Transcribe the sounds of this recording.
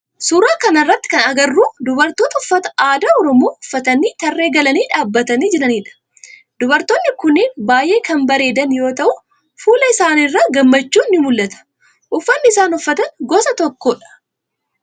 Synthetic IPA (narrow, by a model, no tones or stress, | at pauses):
suːɾaːkɐnɐrːɐt̪ːɪ̥kɐnɐɡɐrːuːd̪ʊbɐɾt̪oːt̪ɐʊfːɐt̪ɐ̥aːd̪aːɔɾɔmoːʊfːɐt̪ɐniːt̪ɐrːe̞ːɡɐlɐniːᶑaːbːɐt̪ɐniːd͡ʒɛᶑɐniːᶑɐ̥ | d̪ʊbɐɾt̪oːnːɪkʊnːɪnbaːjʔe̞ːkɐmbɐɾe̞ːd̪ɐnjo̞ːt̪ɐʔʊ | fuːlɐɪsaːnɪrːaːɡɐmːɐt͡ʃːuːnːɪmʊlːɐt̪ɐ̥ | ʔʊfːɐnːɪɪsaːnʊfːɐt̪ɐnɡɔːsɐt̪ɔkːoːᶑɐ̥